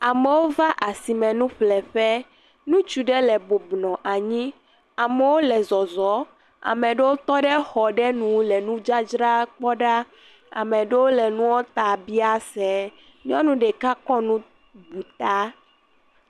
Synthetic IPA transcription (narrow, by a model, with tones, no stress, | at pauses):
a˨mɛ˨wo˦va˦ʔa˨si˨mɛ̃˨nũ˦ɸlɛ˨ɸɛ˦ | nũ˦t͡ʃu˨ɖɛ˦lɛ˨bo˨bnɔ̃˨ʔa˨ɲĩ˦ | a˨mɛ˨wo˦lɛ˨zɔ˨zɔ˨˦ | a̰˨mɛ̃˨ɖe˦wo˦t̪ɔ˦ɖɛ˦xɔ˨ɖɛ˦nũ˨lɛ˨nũ˦d͡ʒa˦d͡ʒɾa˦k͡pɔ˦ɖa˦ | a̰˨mɛ̃˨ɖe˦wo˦lɛ˨nũ˦wɔ˦t̪a˨bi˦a˦sɛ˨ | ɲ˦ɔ̃˦nũ˦ɖɛ˨ka˦kɔ˦nũ˦ | bu˨t̪a˦